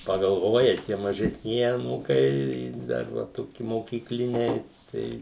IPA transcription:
pɐɡɐlˠˈʋoːjɛ ˈtʲiɛ mɐʒʲɛsʲˈnʲiɛjɪ ɐˈnuːkɐɪ ˈdɐr ʋɐ ˈtoːkʲɪ moːkʲiːkˈlʲɪnʲɛɪ ˈtɐɪ

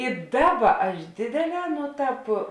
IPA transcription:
ɪ ˈdɑːˌbɐ ɐʃ ˈdʲeːdʲeːˌlʲɛː ˈnoː ˈtɑːp

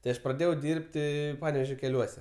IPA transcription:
tɐɪ ˈɐʃ prɐˈdʲeːjɛʊ ˈdʲɪrʲpʲtʲɪ ˈpɑːnʲɛʋʲeːʒʲoː kʲɛˈlʲuɔsʲɛ

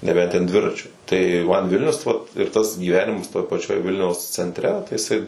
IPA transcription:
nʲɛˈbʲɛnt tʲɛn ˈdʲʋʲɪrɐt͡ʃʲʊ tɐɪ mɐn ˈʋʲɪlʲnʲʊs ʋɐt ɪr ˈtɐs ɡʲiːˈʋʲæːnʲɪmɐs toːj pɐˈt͡ʃʲoːj ˈʋʲɪlʲnʲɛʊs t͡sʲɛnʲtʲˈrʲɛ tɐɪ jɪˈsɐɪ

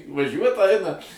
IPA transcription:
ʋɐˈʒʲuɔt ˈɐɪnɐ

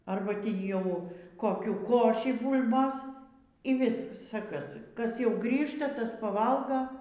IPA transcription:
ˈɐrbɐ ˈtʲiː ˈjɛʊ koːˈkʲuː ˈkoːʃʲiː ˈbuːlʲboːs iː ˈʋʲɪsɐ ˈkɐs kɐs ˈjɛʊ ˈɡrʲiːʃtɐ ˈtɐs pɐˈʋɐlˠɡɐ

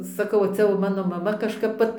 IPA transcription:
sɐˈkɐʊ ˈt͡sʲɛ jɛʊ ˈmɑːnoː mɐˈmɐ kɐʃˈkɐp ˈʋɐt

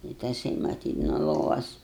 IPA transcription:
ɪ tɐˈsɐɪ mɐˈtʲiːt nuɔ ˈlˠoːʋɐs

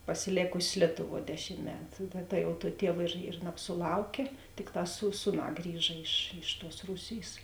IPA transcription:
pɐsʲɪˈlʲeːkʊsʲeːs ˈlʲiɛtʊˌʋuɔ ˈdʲæːʃʲɪm ˈmʲæːtʊ tɐ tɐ jɛʊ tuɔ ˈtʲiɛw ɪr ɪr nɐpsʊˈlˠɐʊkʲeː ˈtʲɪkˌtɑː suː ˈsuːˌnɑː ˈɡrʲiːʒɐ ɪʃ ɪʃ tuɔs ˈruːsʲeːjs

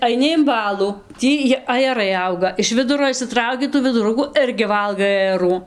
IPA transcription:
ɐɪˈnʲɪ ɪm ˈbɑːlˠuː ˈtʲiː jɪ ɐjɛˈrɐɪ ˈɐʊɡɐ ɪʃ ˈʋʲɪdʊroː ɪʃʲsʲɪˈtrɐʊkʲɪ tuː ʋʲɪdʊˈrʊkuː ˈɪrʲɡʲɪ ˈʋɐlˠɡɐɪ ɐjɛˈruː

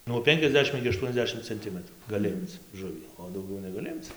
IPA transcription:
nuɔ ˈpʲɛŋʲkʲɛzʲˌdʲæːʃʲɪm ɪɡʲɪ ɐˈʃtuɔnʲɛzʲˌdʲæːʃʲɪm t͡sʲɛnʲˈtʲɪmətruː ɡɐˈlʲɪ ˈɪmt͡s ˈʒʊʋʲiː oː dɐʊˈɡʲɛʊ nʲɛɡɐˈlʲɪ ˈɪmt͡s

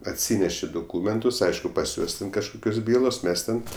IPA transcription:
ɐtʲˈsʲiːnʲɛʃʲɪ doːˈkuːmʲɛntʊs ˈɐɪʃkʊ pɐs ˈjuɔs tʲɛn kɐʃˈkʊkʲoːs ˈbʲiːlˠoːs ˈmʲɛs tʲɛn

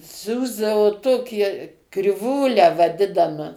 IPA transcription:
ˈsʲuːzdɐʋoː ˈtoːkʲiɛ krʲɪˈʋuːlʲæː ʋɐˈdʲɪnɐmɐ

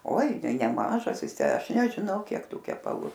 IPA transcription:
oːɪ nʲɛɪ nʲɛˈmɑːʒɐs ˈjɪs ˈtʲæː ˈɐʃ nʲɛʒʲɪˈnɐʊ ˈkʲiɛk ˈtuː kʲɛpɐˈlˠuː

